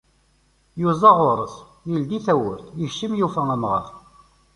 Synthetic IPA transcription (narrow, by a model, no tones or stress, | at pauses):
juzˤɑʁʊɾˤəs | jild̪iθæwəɾθjəçʃəmjufææmʁə̰ɾˤ